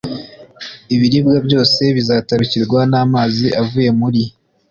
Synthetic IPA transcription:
iβiɾib̚ɡabɟo̞ːse̞βizaːtaɾuciɾɡwanaːmaːziʔavuːje̞muɾi

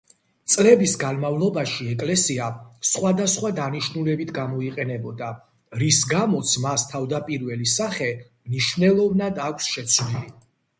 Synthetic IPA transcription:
t̪sʼlɛbisɡanmavlˠɔbaʃiɛkʼlɛsiasχwad̪asχwad̪aniʃnulɛbit̪ʰɡamɔiqʼɛnɛbɔd̪a | ɾisɡamɔt̪sʰmast̪ʰavd̪apʼiɾvɛlisaχɛ | mniʃvnɛlˠɔvnad̪akʷʰsʃɛt̪sʰnili

